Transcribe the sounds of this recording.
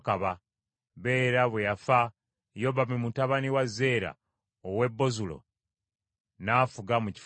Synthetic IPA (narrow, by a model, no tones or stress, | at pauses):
kaβa | βe̞ːɾaβwejafa | jo̞βamimutaβaniwazːe̞ːɾa̰ | owe̞bːo̞zulo̰ | naːfuɡamuci̥f